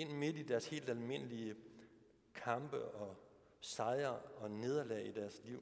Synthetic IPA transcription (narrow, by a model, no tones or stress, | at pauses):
e̝n̰me̝d̥id̥æɐshe̝̰ːld̥ælme̝n̰əliə | kʰɑ̈mb̥əɒ̽ | sɑ̈ɪɐɒ̽ne̝ð̞ˠɐlɛid̥æɐsliʊ̰